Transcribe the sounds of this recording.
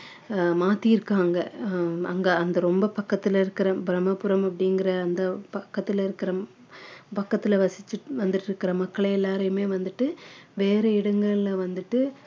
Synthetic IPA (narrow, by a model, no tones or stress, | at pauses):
maːt̪ːijɪɾɯkːaːŋɡɐʔɐŋɡɐɐnd̪ɐɾɔmbɐpɐkːɐt̪ːɪlɪɾɯkːɪɾɐbɾɐmɐpʊɾɐmɐpːɐɽɪŋɡɪɾɐːnd̪ɐpɐkːɐt̪ːɪlɪɾɯkːɪɾɐ | pɐkːɐt̪ːɪlɐʋɐsɪt͡ʃːɯʋɐnd̪ɯʈːɪɾɯkːɪɾɐmɐkːɐɭɐɛlːaːɾɐjɯmeːʋɐnd̪ɯʈːɯʋeːɾɛɪɽɐŋɡɐɭɪlʋɐnd̪ɯʈːɯ